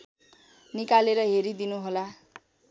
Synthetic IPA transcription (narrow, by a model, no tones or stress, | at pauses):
nikaleɾʌɦeɾid̪inuɦola